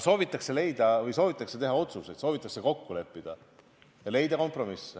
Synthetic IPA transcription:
so̞ːvit̪ːˑɑkse̞le̞jd̪̥ɑvɤjso̞ːvit̪ːˑɑkse̞t̪e̞ɦɑo̞t̪suse̞jd̪̥soːvit̪ːˑɑkseko̞kːule̞pːid̪̥ɑ | jɑle̞jd̪ɑko̞mpro̞misː

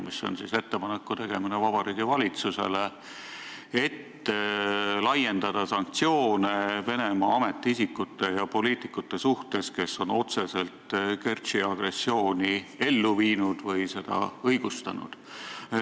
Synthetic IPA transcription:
misːo̞̰nsise̞t̪ːe̞pɑnekːut̪e̞ɡ̥e̞minevɑbɑɾiːɡ̪̥ivɑlʲit̪suse̞̰le̞ | e̞t̪ː | lɑje̞nd̪̥ɑd̪̥ɑsɑŋk̚t̪sio̞ːne̞ve̞nemɑɑme̞t̪ˑːiisikːˑut̪ːe̞jɑpo̞liːt̪ˑikːˑut̪ːe̞suht̪e̞ske̞so̞no̞t̪se̞se̞lt̪ke̞rt̪siɑɡ̥re̞sːio̞ːnie̞lːuviːnud̪̥vɤjse̞d̪̥ɑ̰ɤjɡ̥ust̪ɑnṵd̪̥

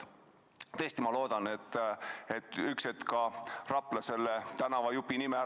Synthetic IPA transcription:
t̪ɤsʲt̪imɑlo̞ːd̪̥ɑnet̪ːet̪ːykset̪kɑrɑplɑse̞lːet̪ænɑvɑjupːinime

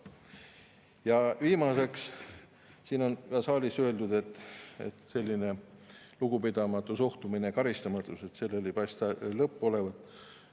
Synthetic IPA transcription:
jɑviːmɑse̞ks | siːno̞nɑsɑːlʲisø̞e̞ld̪ud̪̥e̞t̪ːˑḛt̪se̞lʲːine̞ | luɡ̥upid̪̥ɑmɑt̪ːˑusoht̪umine̞kɑɾist̪ɑmɑt̪ːˑuse̞t̪se̞lːelejpɑjst̪ɑlɤpːo̞le̞vɑt̪ːˑ

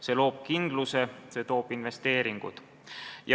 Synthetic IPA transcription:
se̞lo̞ːb̥̚kind̪luse̞se̞t̪o̞ːb̥inve̞st̪e̞ːɾiŋɡ̥ṵt̪ | j

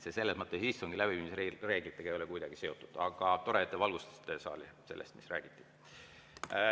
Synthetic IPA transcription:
sese̞lːesmɤt̪ːˑesisːoŋɡ̥ilæb̥iiːmisre̞ːɡ̥lit̪ːˑe̥ɑejo̞lekujd̪̥ɑɡ̥ise̞o̞t̪ːud̪̥ɑɡ̥ɑt̪o̞ɾet̪ːˑevɑlɡust̪e̥st̪esɑ̰ːlise̞lːest̪misræ̰ːɡ̥it̪ˑːi̥

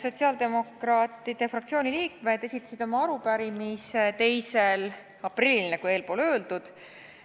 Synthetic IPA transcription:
so̞t̪ʲsiɑːld̪e̞mo̞krɑːt̪ːˑid̪̥efrɑk̚t̪sio̞ːnʲiliːk̚me̞d̪̥e̞sʲit̪ːˑɑ̥sid̪̥o̞mɑɑɾupæɾimist̪e̞jse̞l | ɑprilinekue̞ːlpo̞ːlø̞ːld̪̥ud̪̥

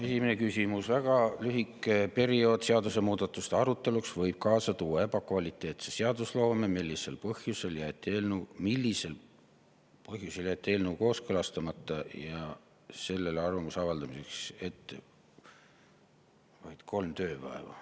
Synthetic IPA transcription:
e̞simene̞kysʲimusvæɡ̥ɑlyɦikːˑepe̞ɾio̞ːd̪̥seɑd̪use̞muːd̪̥ɑt̪ːˑust̪eɑɾut̪ˑːe̞luksvɤ̞jb̥̚kɑːsɑt̪uːɑe̞bɑkvɑlit̪ːˑe̞ːt̪seseɑd̪̥uslo̞ːmemilːise̞lpɤhjuse̞ljæt̪ːˑeːlnumilʲːise̞l | pɤɦjuse̞ljæt̪ːˑe̞ːlnuːko̞ːskɤlɑst̪ɑmɑt̪ˑːɑjɑ | se̞lːe̞lɑrvɑmusɑvɑld̪ɑmise̞kse̞t̪ːˑe | vɑjd̪̥kʰo̞lmt̪ø̞ːpɑ̰ḛvɑ̰

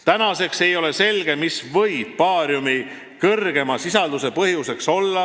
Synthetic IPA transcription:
t̪ænɑse̞kse̞jo̞le̞se̞lɡ̥e̞misvɤjb̥̚pɑːɾjumi | kɤrɡ̥e̞mɑsisɑld̪use̞pɤhjuse̞kso̞lːɑ

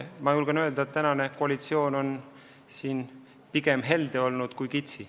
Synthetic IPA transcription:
mɑjulɡ̥ɑnøe̞ld̪ɑet̪ːænɑne̞koɑlit̪sio̞ːno̞n | siːn | piɡemɦe̞ld̪̥e̞o̞lnud̪̥kujkit̪ʲsi

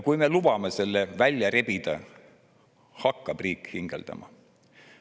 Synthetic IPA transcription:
kujme̞lub̥ɑmese̞lːevælʲjɑɾe̞bid̪̥ɑ̰ | hɑkːɑb̥riːkhiŋɡ̥ḛld̪̥ɑ̰mɑ̰

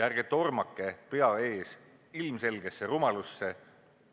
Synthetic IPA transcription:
jærɡ̥et̪ːˑo̞rmɑkːˑe̞pe̞ɑe̞ːs | ilmse̞lɡ̥e̞sːerumɑlusːe̞

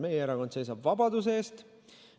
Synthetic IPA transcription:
me̞jeeɾɑko̞nd̪se̞jsɑbvɑbɑd̪us̬eeːst̪

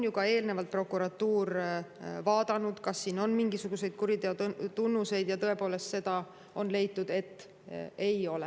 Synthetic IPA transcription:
onjukɑe̞ːlne̞vɑlt̪̚pro̞kːˑuɾɑt̪ːuːr | vɑːd̪̥ɑnud̪̥kɑsːiːno̞nmiŋɡ̥isuɡ̥use̞jd̪̥kuɾid̪eot̪unːuse̞jd̪jɑt̪ɤ̞e̞po̞ːlest̪se̞d̪̥ɑ | o̞nle̞jt̪ːˑud̪̥e̞t̪ː | e̞jo̞le

